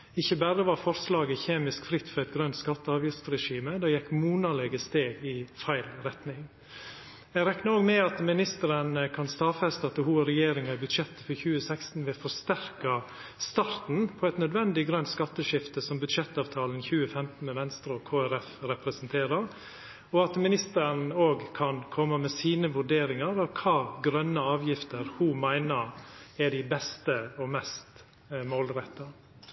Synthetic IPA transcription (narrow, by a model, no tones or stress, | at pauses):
ɪçːəbæɾəʋɑɾfɔɾslɑːɡəçeːmɪskfɾɪt̪ːfɔɾæɪt̪̚ɡɾœnt̪skɑt̪ːəɑːʋjɪft̪ɾɛʂiːməd̪ɑːjɛkːmuːnɑlɛɡəst̪eːɡɪfæɪlɾɛt̪nɪŋ | ɛɡɾɛknəoːɡmɛɑt̪mɪnɪst̪əɾənkʰɑnst̪ɑːfɛst̪ɑt̪ːəhuːəɾɛjeːɾɪŋɑɪbʉd̪ʃɛt̪ːə̥fɔɾçʉːəsækst̪n̩ʋɛfɔɾst̪æɾkɑ | st̪ɑɾt̪n̩pʰɔɛt̪nœd̪ʋɛnd̪ɪɡɾœnt̪skɑt̪ːəʂɪft̪əsɔmbʉd̪ʂɛt̪ːɑːʋt̪ʰɑːlnçʉːəfɛmt̪n̩mɛʋɛnst̪ɾəɔkʰoːæɾɛfɾɛpɾɛsnt̪ʰeːɾɑɾ | ɔɑt̪mɪnɪst̪əɾn̩oːɡkʰɑnkʰɔmːəmɛsiːnəʋʉɖeːɾɪŋɑɾɑʋkʰɑːɡɾœnːəɑːʋjɪft̪əɾhuːmæɪnəɾɛɖɪbɛst̪əɔmɛst̪ | moːlɾɛt̪ːɑ